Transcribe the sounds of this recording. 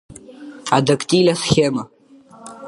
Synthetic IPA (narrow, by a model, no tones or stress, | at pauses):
adakʼtʼilasxʲema